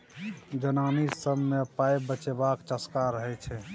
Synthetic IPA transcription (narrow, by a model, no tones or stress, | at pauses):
d͡ʒənanisəbːepaebət͡ʃebakt͡ʃəskaɾəɦɛt͡ʃʰɛ